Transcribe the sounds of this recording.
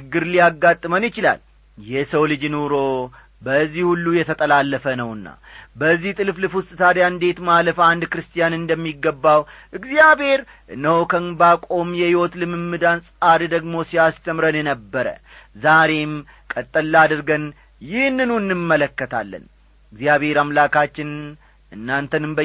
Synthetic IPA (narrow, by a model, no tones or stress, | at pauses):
t͡ʃɨɡːɨɾlijaɡːat̪ʼːɨmənjɪt͡ʃɪla̰l | jɛsəwlɨd͡ʒɨnuɾo̞ | bəzːihulːujɛt̪ʰət̪ʼəlalːəfənəwɨnːa̰bəzːiht̪ʼɨlflɨfʊst̪ʼɨt̪ʰad̪jand̪e̞t̪maləfand̪kɾɨst̪ʰʼijanɨnd̪əmːiɡːəbːawʔɨɡzijabhe̞ɾ | ʔɨnːəhokʰənbakʼo̞mjɛhiwot̪lɨmɨmːɨd̪ansʼad̪d̪əɡmo̞sijast̪ʰəmɾənjɛnəbːəɾə̰zaɾe̞m | kʼət̪ʼːəlːad̪ɨɾɡən | jɪhnːɨnuɨnːɨmːələkːət̪ʰalːə̰n | ɨɡzijaβhe̞ɾamlakʰat͡ʃːɪn | ɨnːant̪ʰənɨmbə